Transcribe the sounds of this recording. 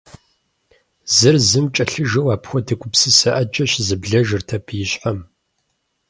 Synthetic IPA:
zɨrzɨmt͡ʃʼɐɬɨʒɐwaːpxʷɔdʰɨkʷʼʊpsɨsɐʔɐd͡ʒʼɐɕzɨbɮɐʒɨrtʰɐpʰjɪɕħam

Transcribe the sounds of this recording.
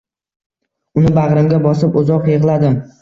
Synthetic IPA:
ʊnɪbaʁɾɪmɡʲabɒsɪpʊzɒqjeʁlˠad̪ɪ

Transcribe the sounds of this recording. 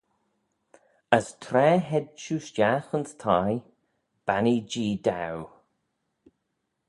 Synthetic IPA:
əst̪ʰɾɛːɦɛd̪̚t͡ʃuːʃt͡ʃjaxənst̪ʰaj | b̥anid͡ʒiːd̪aw

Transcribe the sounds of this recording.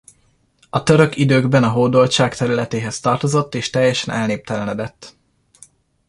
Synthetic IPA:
ɒt̪ø̞ɾø̞kid̪øːɡbɛnɒɦoːd̪o̞lt͡ʃaːkt̪ɛɾylɛt̪eːɦɛst̪ɒrt̪o̞zo̞t̪ːeːʃt̪ɛjːɛʃɛnʔɛlneːp̚t̪ɛlɛnɛd̪ɛt̪ː

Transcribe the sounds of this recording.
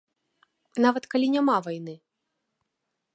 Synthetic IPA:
navɐt̪kalʲinʲamavajnɨ

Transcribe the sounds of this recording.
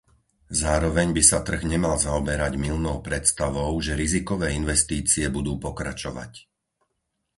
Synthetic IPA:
zaːɾɔʋɛɲbisat̪r̩ɣɲɛmalzaɔbɛɾaɟmilnɔʊpɾɛt̪st̪aʋɔʊʒɛɾizikɔʋɛːinʋɛst̪iːt͡siɛbud̪uːpɔkɾa̰t͡ʃɔʋa̰c

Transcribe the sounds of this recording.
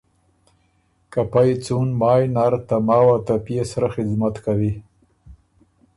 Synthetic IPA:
kapajt͡sunmɑːjnaɾt̪amɑːwat̪apjesaɾaxɪzmat̪kawi

